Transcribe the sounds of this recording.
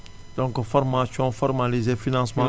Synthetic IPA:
d̪̥ɔ̃ŋkfɔɾmasiɔ̃fɔɾmalizefinãsmã

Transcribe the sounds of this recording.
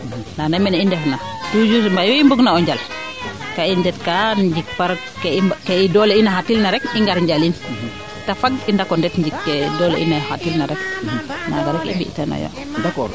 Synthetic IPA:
nanɛmɛnindɛfnatud͡ʒusmbajɔimbuɡnaɔɲd͡ʒal | kaiɲdɛt̚kaɲd͡ʒik̚paɾ | kekɛidɔlɛinaɦatilnaɾɛkiŋɡaɾɲɟalin | tafaɡindakɔndɛtɲd͡ʒikːɛdɔlɛ̰ʔḭnahatilnaɾɛkna̰ɡaɾɔkḭmbḭʔtɛna̰jo̰ | da

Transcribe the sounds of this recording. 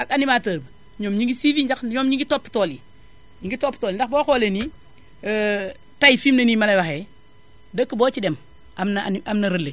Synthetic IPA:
akanimaːtəːb | ɲomɲiŋɡisiviːɲd͡ʒakɲomɲiŋɡitopːtoːli | ɲiŋɡitopːtoːlindaxboːxoːleni | tajifimnɐnimalejwaxe | dəkːəboːt͡ʃidem | ʔamnaniʔamnɐɾəlːe

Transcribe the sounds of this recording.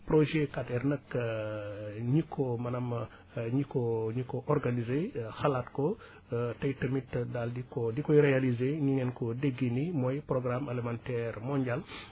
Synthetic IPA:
proʒekatɛrnəkː | ɲikʰːɔmɐnɐm | ɲikɔɲikɔʔɔrɡanizexɐlatkɔ | tɐjtɐmitːdaldikɔdikɔiɾealizeɲiŋɛnkɔdeɡːinimɔjproɡramelemantɛrmɔɲɟal

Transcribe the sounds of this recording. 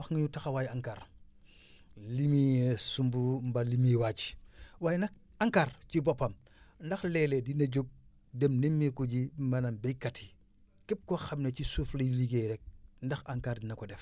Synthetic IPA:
waxŋiɲutaxawajaŋkaɾ | limisumbumbalimiwat͡ʃi̥waːjnɐk̚ | aŋkaɾt͡ʃibɔpːɐm | ndɐxlɛledinɐɟok̚ | demnemːikuɟimɐnambɛjkatʰi̥ | kep̚koxɐmnet͡ʃisufleliɡeɾɛk̚ndɐxaŋkaːɾdinɐkɔdɛf

